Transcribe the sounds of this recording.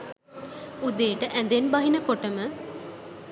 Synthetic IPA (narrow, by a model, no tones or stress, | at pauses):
ud̪eːʈəʔænd̪enbaɦinəkoʈəmə